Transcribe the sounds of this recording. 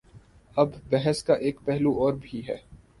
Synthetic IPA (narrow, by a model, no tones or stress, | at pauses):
ɐbːɛɦɛskaʔeːkpɛɦluɔːɾbʱiɦɛ̰ː